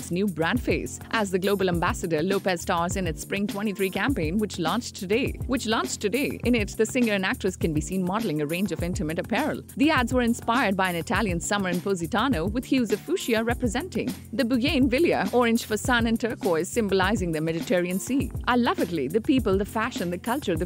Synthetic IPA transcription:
tsnjubɹæ̃ndfeɪs | ʔæzðɨɡloʊbl̩ˠæ̃mbæsɨdə˞loʊpɛzstɑɹzɨ̃nɨtspɹɪ̃ŋtʰw̥ɛ̃ɾ̃iθɹikæ̃mpẽɪ̃nwɨt͡ʃlɔ̃nt͡ʃtʰɨdeɪwɨt͡ʃlɔ̃nt͡ʃtɨdeɪʔɪ̃ñɪt̚ðɨsɪ̃ŋə˞ɨ̃næk̚tɹɨskɨ̃nbisĩnmɑdlˠɪ̃ŋɨɹẽɪ̃nd͡ʒʌvɪ̃ntɨmɨɾɨpʰɛɹə̰l̩ˠðiædzwə˞ɨ̃nspaɪə˞d̚baɪɨ̃nɨtʰælˠjɨ̃nsʌmə˞ɨ̃npoʊzitɑnoʊwɨd̪hjʉzɨfuʃiəɹɛpɹɨzɛ̃ntɪ̰̃ŋðɨbuɡẽɪ̃nvɪljə̰ɔɹɪ̃nʃfəsãnɨ̃ntʰɜ˞kɔɪz̥sɪ̃mbəlaɪzɪ̃ŋðɨmɛlɨtʰɛɹiɨ̃nsiʔaɪlʌvɪɡliðɨpipəlˠd̪əfæʃə̃nd̪ɨkʰʌlˠt͡ʃə˞ðɨ

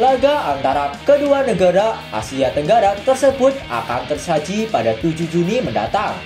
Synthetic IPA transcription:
larɡaʔant̪aɾakəduanəɡaɾaa̰siat̪əŋɡaɾat̪ərsəbʊt̪̚a̰kant̪ərsad͡ʒipadat̪ud͡ʒud͡ʒunimənda̰t̪aŋ

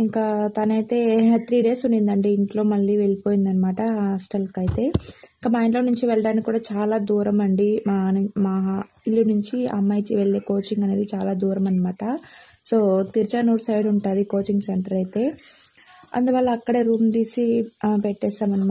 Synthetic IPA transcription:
iŋkaːt̪ɐnɐjt̪e̞ːt̪ʰɾiːɖe̞ːsuɳɖind̪ɐɳɖiiɳʈlo̞ːmɐɭːiːʋe̞ɭipo̞ːjind̪ɐnːɐmaːʈɐɦaːsʈɐlkɐjit̪e̞ːiŋkamaːjiɳʈloːnuɲt͡ʃiʋɛɭɐɽaːnikikːuːɽaːt͡ʃaːlaːd̪uːɾɐmɐɳɖimaːnmaːɦa | ilːunuɲt͡ʃiɐ̰mːɐjt͡ʃiʋeɭːeːko̞ːt͡ʃiŋɡɐne̞ːd̪it͡ʃaːlaːd̪uːɾɐmɐnːɐmaːʈɐ | so̞ːt̪iɾt͡ʃɐːnuːʈsɐjʋɽuɳʈaːd̪iko̞ːt͡ʃiŋɡseɳʈɐɾɐjt̪e̞ː | ɐ̰nd̪uʋɐːlːɐːkːɐɽeɾuːmd̪iːsipeʈːɛːsaːmɐnɐ

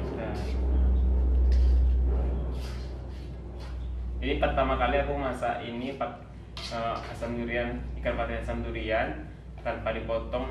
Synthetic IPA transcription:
a | d͡ʒadipərt̪amakaliakumasaʔinipat̪̚ | əasamduɾianikanpat̪iasamduɾian | t̪anpadipɔt̪ɔŋ

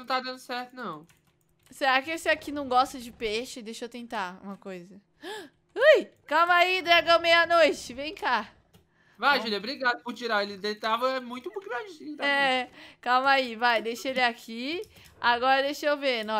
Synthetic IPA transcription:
ɐ̃w̃t̪ad̪ɐ̃nd̪ʊsɛɾt̪ʊnɐ̃w̃ | seɾakɪesɪakinɐ̃w̃ɡɔst̪ɐd͡ʒɪpeʃʊd̪eʃewt̪ẽnt̪aṵ̃mɐkojzɐ | ujkɐmaid̪ɾɛɡɐ̃mejɐnojt͡ʃɪvẽj̃ka | vajʒulɐbɾiɡad̪ɐpʊɾt͡ʃiɾaelɪd̪et̪avɐɛmũj̃t̪ʊũpukinãd͡ʒɪsĩɛkamaivajd̪ejʃɐelɪakʰi | aɡɔɾɐd̪ejʃewveɾnɔ̃

